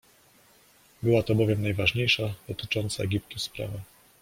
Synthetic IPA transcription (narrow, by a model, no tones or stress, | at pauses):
bɘwat̪ɔbɔvʲjɛmnajvaʐɲejʂad̪̥ɔt̪ɘ̥t͡ʂɔnt̪saɛɡʲipt̪uspɾa̰va